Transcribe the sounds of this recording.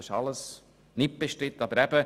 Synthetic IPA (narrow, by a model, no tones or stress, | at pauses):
ɪʃɑləs | nɪt̚b̥eʃtɾɪt̪ːɑbəɾɛb̥ə